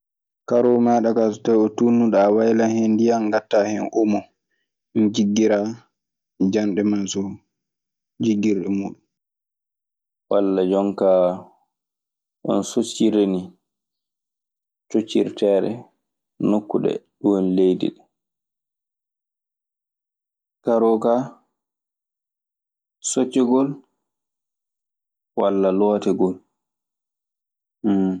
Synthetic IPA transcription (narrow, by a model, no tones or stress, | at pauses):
kaɾomaːɗakasɔ̥tajɔtunːuɗawajlanhendijanɡatːaːhɛnʔumɔ | d͡ʒiɡːiɾa | d͡ʒanɗɛmasɔ | d͡ʒiɡːiɾɗɛmuːɗun | walːad͡ʒɔŋkaː | ʔɔ̰nsut͡ʃːiɾeni | tot͡ʃːiɾtɛːɾɛ̰ | nokːuɗɛ̰ɗuwnlejdḭɗɛ | kaɾɔka | sot͡ʃːɛɡɔl | walːalɔtɛɡɔl